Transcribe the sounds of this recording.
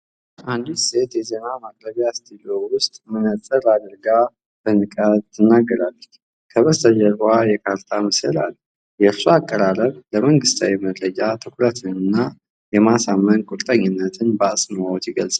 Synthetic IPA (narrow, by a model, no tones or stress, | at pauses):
ʔand̪ise̞t̪jɛze̞namaɡʼɾəβjast̪ʰiliowʊst̪ʼmɨnət̪ʼəɾad̪ɾɡa | bənɨkʼat̪ʰːɨnːaɡːəɾalːət͡ʃː | kʰəβəst̪ʰəd͡ʒəɾajɛkʰaɾt̪ʰamɨsə̰la̰l | jɛɾsuakʼːəɾaɾəβləməŋɡɨst̪ʰawiməd̪ɾəd͡ʒʼat̪ʰɨkʷʰɾət̪ʰɨnɨnːa | jɛmasamːənkʷʼuɾt̪ʼəɲːɪnːət̪ʰɨnbəasʼmawɔt̪jɪɡəlsʼa